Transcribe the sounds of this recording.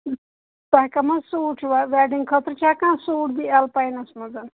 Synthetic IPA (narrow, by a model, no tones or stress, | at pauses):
t̪aːkamasuːʈʰiʋaʋaːɖiŋɡkʰɐt̪ɾt͡ʃʰaːkãːsuːʈbialpajnɐsmɐzɐn